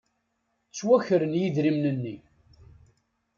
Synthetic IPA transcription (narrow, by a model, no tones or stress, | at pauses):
t͡sːwæçəɾənjiðɾimnənːi